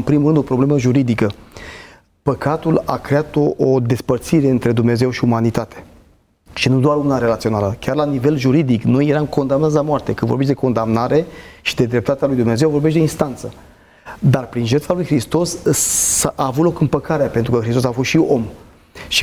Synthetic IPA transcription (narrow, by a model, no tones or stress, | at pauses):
ɨmpɾimulɾɨnd̪o̞pɾo̞ble̞məʒuɾid̪ikə | pəkat̪ula̰kɾe̞at̪oʔod̪e̞spərt̪siɾe̞ɨnt̪ɾe̞d̪umne̞ze̞wʃiumanit̪at̪e̞̥ | ʃinud̪oaɾunaɾe̞lat̪sio̞naləkʲarlanive̞lʒuɾid̪ikno̞jːe̞ɾamko̞nd̪amnat̪sʲlamoart̪e̞kɨnvobeʃ̬d̪eko̞nd̪amnaɾe̞ʃid̪e̞d̪ɾe̞p̚t̪at̪ealujd̪umne̞zewvo̞ɾbe̞ʃ̬t̪̬d̪einst̪ant̪sə | d̪arpɾinʒe̞rt̪falujxɾist̪o̞s | aʔaːvut̪lo̞kɨmpəkaɾeapent̪ɾukəxɾist̪o̞safo̞st̪ʃio̞m | ʃi